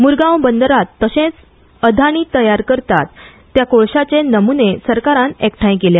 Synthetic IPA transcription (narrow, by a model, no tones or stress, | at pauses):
muɾɡãwbənd̪əɾat̪ːəɕẽt͡s | əd̪ʱaɽ̃iːt̪əjaɾkəɾt̪at̪ː | jakoɭɕat͡ɕenəmunesəɾkaɾãnɛkʈʰaĩkelja